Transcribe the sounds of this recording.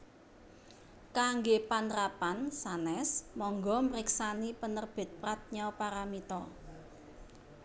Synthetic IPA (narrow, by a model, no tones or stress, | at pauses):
kaŋɡepanɾapansanɛsmɔŋɡɔməɾɪksanipənərb̥e̤t̪̚pɾat̪̚ɲɔpaɾamit̪ɔ